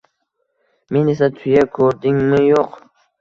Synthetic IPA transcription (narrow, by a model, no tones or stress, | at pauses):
me̞ne̞s̬at̪ʰʊjakʰɵɾd̪ɪŋmɪjoq